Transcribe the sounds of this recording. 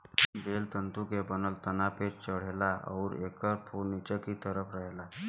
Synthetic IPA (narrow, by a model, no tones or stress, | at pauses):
belt̪ənt̪ukebənəlt̪ənapet͡ɕt͡ɕəɽ̤elaɔ̰ɾekəɾpʰuɾnit͡ɕəkit̪əɾəpɾəɦla